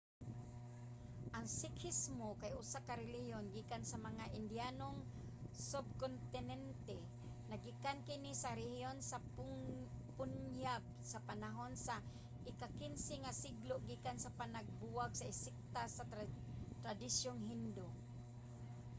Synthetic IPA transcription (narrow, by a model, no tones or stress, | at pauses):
ʔaŋsɪkʰɪsmokajʔʊsakaɾɛlihjonɡiːkansamaŋaʔɪnd̪janoŋ | sʊb̚kont̪ɪnɛnt̪ɛ | naɡikankɪnisaɾɛhjonsa | pʊnjap̚ | sapanaɦonsa | ʔɪkakɪnsɪŋasɪɡloʔɡiːkansapanaɡ̚buwaɡsaɪsɪk̚t̪asat̪ɾad̪isjoŋɦɪnd̪o